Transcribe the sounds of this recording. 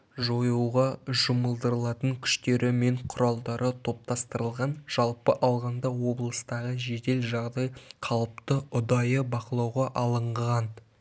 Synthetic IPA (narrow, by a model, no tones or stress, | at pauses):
ʒo̞juwʁɑʒʊməlˠd̪əɾəlˠɑt̪əŋkʲʰʏ̥ʃt̪e̞ɾɪme̞ɴqʰʊɾɑlˠd̪ɑɾʔət̪ʰo̞p̚t̪ɑst̪əɾəlˠʁɑnʒ̥ɑlˠpəʔɑlˠʁɑnd̪ɑwo̞blˠəst̪ɑʁəʒe̞d̪e̞lʒɑʁd̪ɑjqʰɑlˠəp̚t̪əʊd̪ɑjəbɑqəlˠɑwʁɑʔɑlˠəɴʁʁɑn